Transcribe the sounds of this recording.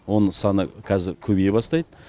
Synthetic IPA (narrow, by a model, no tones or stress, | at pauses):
wo̞nəsɑnəkʲʰæzɪɾkʲʰɵbejbɑst̪ɑjd̪ə